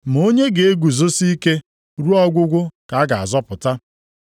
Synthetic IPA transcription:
m̩˨o˦ɲe˦ɡe˨e˦ɡu˨zo˦si˦ke˦ | ɾu˦ɔ˦ɡʷʊ˦ɡʷʊ˦ka˨a˦ɡa˨a̰˨zɔ˦pʊ˨ta˦

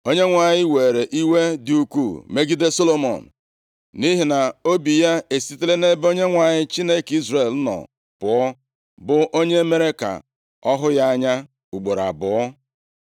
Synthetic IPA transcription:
o˦ɲe˦ŋʷa˨ɲɪ˦we˨ɾe˨ʔi˦we˦dɪ˨u˨kʷu˦˨me˦ɡi˦de˦so˦lo˨mɔ̰˨n̩˨ | ni˦ɦi˨na˨o˦bi˨ja˦e˨si˦te˦le˦ne˦bo˦ɲe˦ŋʷa˨ɲɪ˦t͡ʃi˦ne˦ki˦zre˨lnɔ̰˨ | pʊ˨ɔ˦ | bʊ˨ʔo˦ɲe˦me˦ɾe˦ka̰˨ | ɔ˦ɦʊ˦ja˦a˦ɲa˦ | u˨ɡ͡bo˨ɾa̰˨bʊ˨˦ɔ˦

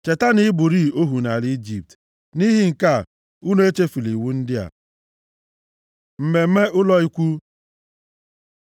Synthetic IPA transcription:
t͡ʃe˨ta˦ni˦bʊ˨ɾi˦o˦ɦu˨na˨li˦d͡ʒi˨p̚t | ni˦ɦi˦ŋ̩˨ka˦˨ | u˦no˦e˦t͡ʃe˦fi˨li˨wu˦n̩˦dɪ˦a̰˨ | m̩˨me˨m̩˦me˦ʔʊ˦lɔ˦i˦kʷu˦

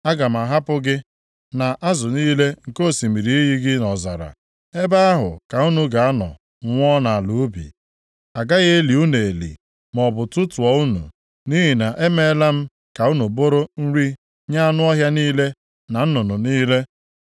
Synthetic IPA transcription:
a˦ɡa˨m̩˨a˨ɦa˦pʊ˦ɡɪ˦ | na˨ʔa˦zʊ˨niː˦le˦ŋ̩˨ko˦˨si˨mi˨ɾi˨i˦ji˦ɡɪ˦nɔ˨za̰˨ɾa̰˨ | e˦ba˦a˦ɦʊ̰˨ka˨u˦nu˨ɡa˨a˦nɔ̰˨˦ | ŋʷɔ˦na˨a˨lu˨˦bḭ˨ | a˨ɡa˦ɣe˦e˦li˨u˦ne˨e˨lḭ˨ | mɔ˨bʊ˨tʊ˦tʊ˨ɔ˨˦u˦nṵ˨ | ni˦ɦi˨na˨ʔe˦me˦la˦m̩˦ | ka˨u˦nu˨bo˦ɾo˦n̩˦ɾi˦ | ɲa˦a˦nʊ˦ɔ˦ɦja˦niː˦le˦ | na˨n̩˦nʊ˨nʊ˨niː˦le˦

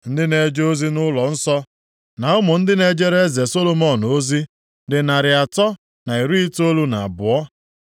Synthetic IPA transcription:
n̩˦dɪ˦ne˨d͡ʒo˦zi˦nʊ˦lɔ˨n̩˦sɔ˦ | na˨ʊ˦mʊ˨n̩˦dɪ˦ne˦d͡ʒe˦ɾe˦ze˨so˦lo˨mɔ˦no˦zi˦ | dɪ˨na˨ɾɪ˨a˨tɔ˦ | na˨i˨ɾu˦i˦to˦lu˦na˨a˨bʊ˨ɔ˦

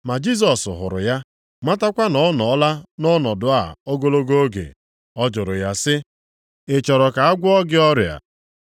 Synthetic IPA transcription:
ma˨d͡ʒi˦s̬ɔ˨sɦʊ̰˨ɾʊ̰˨ja˦ | ma˦ta˦kʷa˦nɔ˨˦nɔ˨˦la˦nɔ˦nɔ˨dʊ˨a˨o˦ɡo˦lo˦ɡo˦o˦ɡḛ˨ | ɔ˦d͡ʒʊ˨ɾʊ˨ja˦sɪ˦ | ɪ˨t͡ʃɔ˨ɾɔ˨ka˨a˦ɡʷʊ˦ɔ˦ɡɪ˦ɔ˦ɾja̰˨

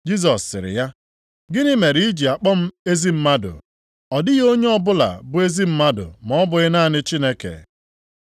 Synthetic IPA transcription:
d͡ʒi˦z̬ɔ˨sːɪ̰˨ɾɪ̰˨ja˦ | ɡɪ˦nɪ˦me˨ɾi˦i˦d͡ʒi˨a˨k͡pɔ˦m̩˦e˦zi˦m̩˦ma˦dʊ̰˨ | ɔ˨dɪ˦ɣo˦ɲe˦ɔ˦bʊ˦la̰˨bʊ˦e˦zi˦m̩˦ma˦dʊ̰˨mɔ˦bʊ˨ɣɪ˦na˦˨nɪ˦t͡ʃi˦ne˦kḛ˨

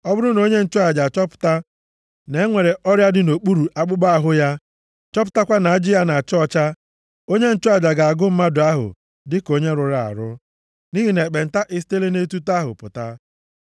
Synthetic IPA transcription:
ɔ˦bʊ˦ɾʊ˦no˦ɲe˦n̩˦˨t͡ʃʊ˦a˨d͡ʒa˨t͡ʃɔ˦pʊ̥˨ta˦ | ne˨˦ŋʷe˨ɾe˨ʔɔ˦ɾja˦dɪ˦no˨k͡pu˦ɾu˨ʔa˦k͡pʊ˦ɡ͡ba˦a˨ɦʊ˦ja˦ | t͡ʃɔ˦p̬ʊ̥˨˦ta˦kʷa˦na˨˦d͡ʒi˦ja˦na˨a˨t͡ʃɔ˦t͡ʃa˦ | o˦ɲe˦n̩˦t͡ʃʊ˦a˨d͡ʒa˨ɡa˨a˨ɡʊ˦m̩˦ma˦dʊ˨a˦ɦʊ̰˨ | dɪ˦ko˦ɲe˦ɾʊ˨ɾa˨a̰˨ɾʊ̰˦ | ni˦ɦi˨ne˨k͡pe˨n̩˨ta˦ʔɪ˦s̬te˦le˦ne˦tu˦ta˦ɦʊ̰˨pʊ̰˨ta˦

